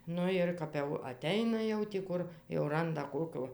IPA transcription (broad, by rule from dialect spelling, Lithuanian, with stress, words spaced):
ˈnʊ ɪr kɐp ˈjɛʊ ɐˈtʲɛɪnɐ jɛʊ tʲɪ ˈkʊr jɛʊ ˈrɐndɐ ˈkoːkʲoː